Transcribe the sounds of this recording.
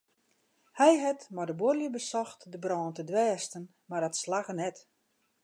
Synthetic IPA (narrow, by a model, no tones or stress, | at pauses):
hɛjɦɛtmadəborljəbəsɔxtdəbrɔːntədʋɛːstən | mardɔtslaɣənɛt